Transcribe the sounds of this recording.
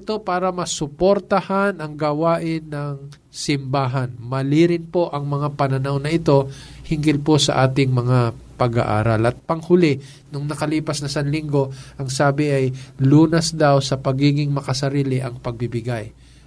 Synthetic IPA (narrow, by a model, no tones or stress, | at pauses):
ɪt̪o̞paːɾɐmɐsʊpoɾt̪ɐhanɐŋɡɐwaːʔɪnːɐŋ | sɪmbaːɦɐnmɐliɾɪnpo̞ʔɐŋmɐŋapɐnɐnawnɐʔɪt̪o̞ | hɪŋɡɪlposɐ̰ʔaːt̪ɪŋmɐŋapɐɡa̰ʔa̰ːɾɐlʔɐt̪̚pɐŋhʊlɪ | nʊŋnɐkɐliːpɐsnɐsɐnlɪŋɡo̞ʔɐŋsaːbɪʔɐjluːnɐsd̪awsɐpɐɡiːɡɪŋmɐkɐsɐɾiːlɪʔɐŋpɐɡ̚bɪbɪɡaj